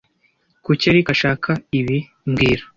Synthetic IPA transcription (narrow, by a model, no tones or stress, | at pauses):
kuceɾikaʃaːkʰaiβi | mɡiːɾa